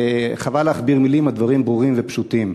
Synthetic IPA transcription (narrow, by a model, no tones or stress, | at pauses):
χavaleːχbiʁmilimad̪vaʁimbʁuʁimvepʃut̪im